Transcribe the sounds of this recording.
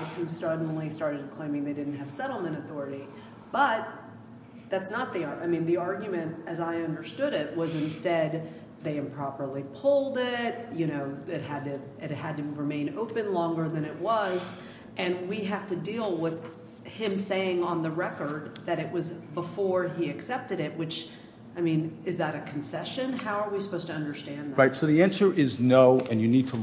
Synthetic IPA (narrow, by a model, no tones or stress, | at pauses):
hʉstɑdⁿn̩listɑɹɾɨd̚kʰl̥ẽɪ̃mɪ̃ŋðeɪdɪdⁿn̩t̚ɦɨv̥sɛɾl̩ˠmɨ̃ɾ̃ɨθɔɹɨɾi | b̥ʌt̪̚ | ðætsnət̪̚ðiɑaɪmĩnðiɑɹɡjɨmɨ̃nɨzaɪʌ̃ndə˞stʊɾɪt̚wʌzɨ̃nstɛd̪̚ | ðeɪɨ̃mpʰɹ̥ɑpə˞lˠipʰʊlˠdɪt̚jɨɾ̃oʊɪt̚hɨd̚tɨ | ɪt̚hɨd̚tɨɹɨmẽɪ̃noʊpɨ̃nlɔ̃ŋɡə˞ðɨ̃ɾ̃ɨt̚wʌz | ʔɨ̃nwiɦæftɨdilˠwɪð̥ | hɪ̃mseɪɪ̃ŋə̃nðɨɹɛkə˞d̪̚ðɨɾɨʔ̚wʌzbəfɔɹiɨksɛp̚tɨɾɪt̚wɨt͡ʃ | aɪmĩnɨzðəɾɨkʰn̩sɛʃɨ̃nhaʊə˞wisəpoʊstʰɨʌ̃ndə˞stæ̃nðɹaɪtsoʊðiæ̃nsə˞ʔɪznoʊɨ̃njɨnid̚tʰə